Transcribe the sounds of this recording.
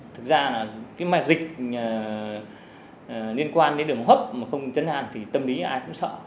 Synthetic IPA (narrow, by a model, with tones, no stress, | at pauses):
t̪ʰɨ˨˩k̚zaː˧naː˨˩kaː˨˦jma˨˩t̚zï˨˩k̚ː | li˧ənkwaː˧nɗe˨˦ɗɨ˨˩əŋɦəː˦˥p̚maː˨˩xə˧wŋ͡mt͡ɕə˨˦nha̰ː˨˩nt̪ʰi˨˩t̪ə˧mli˨˦ʔaː˧jkʊ̰˧˥ŋ͡msə̰ː˧˨